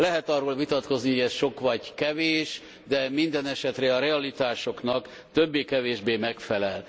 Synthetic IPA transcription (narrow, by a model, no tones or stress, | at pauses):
lɛɦɛt̪ɒrːoːlvit̪ɒt̪ko̞znihoɟɛsʃo̞kʋɒɟkɛveːʃ | d̪ɛmind̪ɛnɛʃɛt̪rɛɒɾɛɒlit̪aːʃo̞knɒk | t̪øbːeːkɛveːʒbeːmɛkfɛlɛl